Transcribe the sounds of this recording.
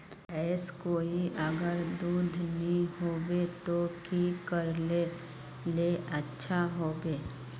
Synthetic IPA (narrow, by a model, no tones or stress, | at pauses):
ɛːskoːiʔəɡəɾd̪uːd̪ʱnĩɦoːbet̪okikəɾle | leʔətːʃʰaɦoːbeː